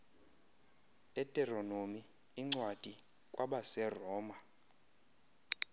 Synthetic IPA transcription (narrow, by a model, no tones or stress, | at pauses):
ɛtʼɛronomiː | ŋ͡ǀwad̥ʼʱi | kʼwaɓasɛrɔːma